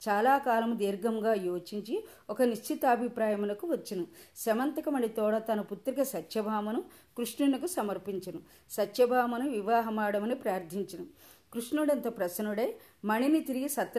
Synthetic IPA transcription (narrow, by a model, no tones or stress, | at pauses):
t͡ʃaːlaːkaːlɐmd̪iːɾɡɐmɡaːjoːt͡ʃiɲt͡ʃi | ɔkɐniʂt͡ʃʰit̪aːbʱipɾaːjɐmɐnɐkuʋɐt͡ʃːinusɐmɐnt̪ɐkɐmɐɳɖit̪ɔːɽɐt̪ɐnɐput̪ːɾikɐsɐt̪jɐbʱaːmɐnu | kɾuʂɳunɐkusɐmɐɾpiɲt͡ʃɐnu | sɐt̪jɐbʱaːmɐnuʋiʋaːɦɐmaːɽɐmɐnipɾaːɾd̪ʱiɲt͡ʃɐnu | kɾuʂnuɽɐnt̪ɐpɾɐsɐnuɽe | mɐɳinit̪iɾiɡisɐt̪